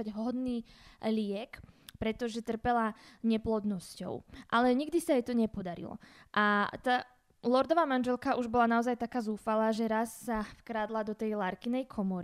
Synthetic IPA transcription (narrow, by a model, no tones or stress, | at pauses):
aɟɦɔd̪niːlɪɛkpɾɛt̪ɔʒɛt̪r̩pɛlaɲɛplɔd̪nɔscɔ̰ʊʔalɛɲiɡd̪isaɛjt̪ɔɲɛpɔd̪aɾḭlɔ̰ʔat̪aː | lɔɾd̪ɔʋaːmanʒɛlkaʔuʒbɔlanaɔzajt̪akaːzuːfalaːʒɛɾasːafkɾaːd̪lad̪ɔt̪ɛjlaɾkinɛjkʰɔmɔɾi